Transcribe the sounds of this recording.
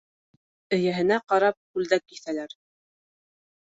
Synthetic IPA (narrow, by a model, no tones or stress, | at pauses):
ɘ̆jæɦɘ̆næqɑɾɑp̚kʉld̪æk̚kːiθælæɾ